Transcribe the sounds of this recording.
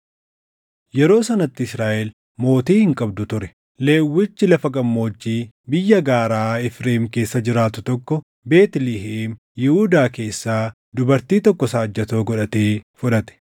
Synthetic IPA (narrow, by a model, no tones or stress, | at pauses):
jɛɾo̞ːsɐnɐt̪ːɪɪsɾaːʔɛl | mo̞ːt̪iːhɪŋkʼɐbd̪ʊt̪ʊɾɛ | le̞ːwːɪt͡ʃːɪlɐfɐɡɐmːo̞ːd͡ʒːiː | bɪjːɐɡaːɾaːɪfɾeːmke̞ːsːɐd͡ʒɪɾaːt̪ʊt̪ɔkːɔ | be̞ːt̪lɪɦeːm | jɪhuːd̪aːke̞ːsːaː | d̪ʊbɐɾt̪iːt̪ɔkːɔsaːd͡ʒːɐt̪o̞ːɡɔᶑɐt̪eːfʊᶑɐt̪ɛ̥